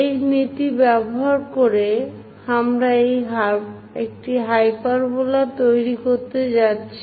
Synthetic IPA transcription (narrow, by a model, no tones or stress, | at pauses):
ejnit̪ibɛboɦaɾkoɾe | amɾaejɦab | ek̚ʈiɦajpaɾbolat̪ojɾikoɾt̪ed͡ʑatːɕʰi